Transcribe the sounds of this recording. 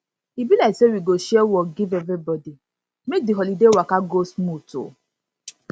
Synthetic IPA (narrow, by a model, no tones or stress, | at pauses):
ibilasewiɡoʃewɔɡivevɾibɔdi | mek̚diɦɔlidewakaɡosmutʊ̰